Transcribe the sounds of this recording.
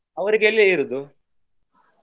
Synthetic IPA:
ɐʋɐɾiɡeelːiiɾud̪u

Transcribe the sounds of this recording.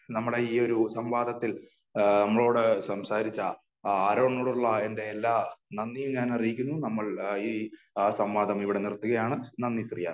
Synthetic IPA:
nɐmːuɽeiːo̞ɾusɐmʋaːd̪ʱɐt̪ːil | nɐmːɐɭo̞ːɽɨsɐmsaːɾit͡ɕːɐ | aːɾo̞ːɳːoːɽuɭːɐe̞nde̞ːlːaːnɐnːijumɲaːnɐrijikʲːunːunɐmːɐɭiː | sɐmʋaːd̪ʱɐmiʋiɽe̞nirt̪ːuɣɐjaːɳɨnɐnːisrija̰ː

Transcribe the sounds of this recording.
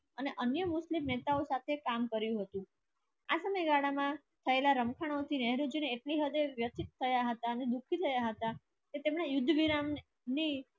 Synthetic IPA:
əneʔənjəmʊslimnet̪aosat̪ʰekamkəɾjũɦət̪ũ | asəməjɡaɽamã | t̪ʰəelaɾəmkʰaɽ̃ot̪ʰinɛɦɾud͡ʒineːʈliɦəd̪eʋjət̪ʰit̪ʰːəjaɦət̪aəned̪ukʰit̪ʰəjaɦət̪a | ket̪emnajʊd̪ʱːəʋiɾam | ni

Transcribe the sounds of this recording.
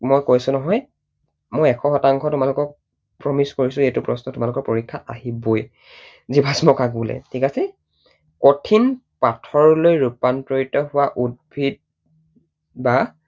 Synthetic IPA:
mojkojsʊnɔɦɔj | mojɛkʰɔxɔtaŋkʰɔtʊmalʊkɔk̚ | pɹɔmiskoɹisʊetʊpɹɔsnɔtʊmalʊkɔɹpoɹikʰːaʔaɦiboj | zibʱasmɔkaɡbulɛ̰tʰikasɛ | kotʰinpatʰɔɹlojɹupantɹoitɔhʊwaʔud̚bʱid̚ | ba

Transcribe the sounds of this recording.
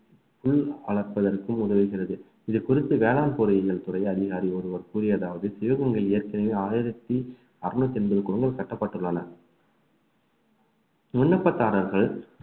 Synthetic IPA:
fʊɭɐɭɐɾpːɐðɐrkɯmʊðɐʋiːɣɪrɐðɯ | ɪðɯkʊrɪt̪ːɯʋeːlaːnpoːɾɐjɐɣɐɭt̪ʊrɐɪɐðɪɣaːɾiɔɾɯʋɐɾkuːɾɪjɐðaːʋɐðɯsɪjɐɣɐŋɡɐɭeːɐɾkɪnɐjeːaːjɪɾɐt̪ːi | ɐɾɳɯt̪ːɛnbɯɾɯkːʋɐŋɡɐɭsɐʈːɐpːɐʈːɯɭːɐnɐ | mʊɳːɐpːɐt̪ːaːɾɐɾɣɐɭ

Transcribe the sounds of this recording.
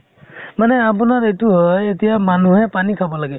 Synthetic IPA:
manɛap̬unaɹetuɦɔjetijamanuɦɛpanikʰabɔlaɡɛ

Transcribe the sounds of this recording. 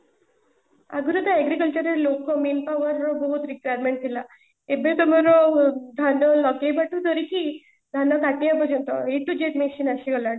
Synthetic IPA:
a̰ɡuɾud̪aɛɡɾikəlt͡ɕəɾeɾlokɔmenpaʋəɾɔbəɦut̪ɾikʋajəɾmeɳʈ̚t̪ila | ebet̪ɔmaɾod̪ʱanɔlɔɡebaʈut̪əɾiki | d̪ʱanakaʈijapəɾənt̪ɔeʈ̪ud͡ʑeʈmeɕinaɕiɡəla

